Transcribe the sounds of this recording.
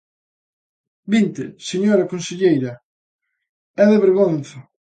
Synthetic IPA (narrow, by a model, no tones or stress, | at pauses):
bint̪ɪseɲoɾɐkõnseʎejɾɐ | ɛðeβeɾɣonθa